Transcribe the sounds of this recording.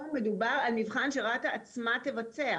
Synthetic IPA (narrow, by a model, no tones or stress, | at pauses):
medubaʁalmivχanʃeʁat̪aːt͡smat̪e̞vat͡sea